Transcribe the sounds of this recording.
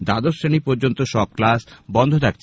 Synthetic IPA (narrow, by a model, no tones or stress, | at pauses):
d̪ad̪osɾenipoɾd͡ʑont̪oʃɔb̚klasbɔnd̪ʱot̪ʰak̚t͡ɕʰ